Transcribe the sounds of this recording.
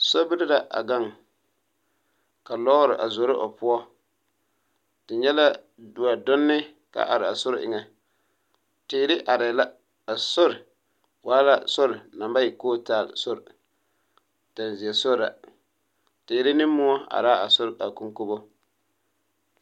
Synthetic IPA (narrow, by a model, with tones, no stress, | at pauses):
so˦bɪ˦ɾɪ˦da˨ʔa̰˨ɡa˦˨ŋ | ka˨lɔ˦ɣɾɪ˨ʔa˨zo˨ɾɪ˦ʔo̰˨pʊ˦ɔ˦ | tɪ˨ɲɛ˦la˦ | du˨a˨dʊ˦nːɪ˦ | ka̰˨ʔa˨ɾɪ˨a˨sʊ˦ɾʔɪ̰˨ŋɛ˨ | teː˨˦ɾɪ˦ʔa˨ɾɪ˨la˦ | a˨so˦ɾɪ˨ | waː˨˦la˦so˦ɾɪ˨na˨mba˦jɪ˨koː˦taː˦˨l̰so˦ɾ | ta˨n˨zi˨ɛ˨so˦ɾa˨ | teː˨ɾɪ˦nɪ˦mːʊ˦ɔ˦a̰˨ɾaː˦a˨sʊ˦ɾa˨ku˦ŋko˦bo˦